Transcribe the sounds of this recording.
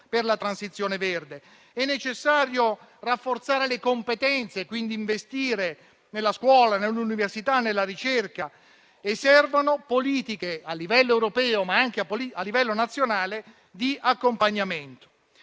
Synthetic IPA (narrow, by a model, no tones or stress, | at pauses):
perlat̪ɾansit̪sːjoːneverd̪e | ɛnːet͡ʃesːaːɾjorafːort̪saːɾelekompet̪ɛnt̪sekwind̪iːɱvest̪iːɾe | nelːaskwɔːlanelːuniversit̪anːelːaɾit͡ʃerka | esːɛrvanopoliːt̪ikealːivɛlːoewɾopɛːomaaŋk̟eapːolialːivɛlːonat̪sːjonaːle | d̪iakːompaɲːament̪o̥